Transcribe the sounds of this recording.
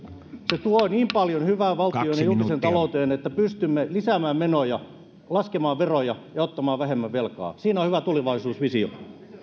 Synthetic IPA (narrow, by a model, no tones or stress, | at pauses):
set̪uoiniːmpɑljonhyʋæːʋʋɑlt̪ioinjulk̪isent̪ɑlout̪eːnet̪ːæpyst̪ymːelisæmæːmmenojɑ | lɑskemɑːʋʋerojɑjɑot̪ːɑmɑːʋʋæhemːæʋʋelkɑ̰ːsiːnohyʋæt̪uliʋɑisuːsʋisio̰